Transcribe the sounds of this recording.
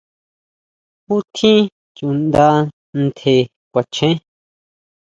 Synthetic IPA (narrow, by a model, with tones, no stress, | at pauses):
hu˦t̪ʰĩ˦ | t͡ʃũ˨nd̪a˧˦ | nt̪ʰe˨ | kʷa˨t͡ʃʰẽ˦